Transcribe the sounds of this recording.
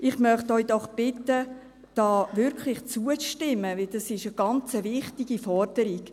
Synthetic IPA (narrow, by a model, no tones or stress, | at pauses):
ʔɪχmœχtœʏd̥ɔχb̥ɪtə | d̥ɑːʋʏɾkʰlɪχt͡suət͡sʃtɪmːəʋɪld̥ɑsɪʃəɡ̥ɑnt͡səvɪχtiɡifɔrd̥əɾiɡ̥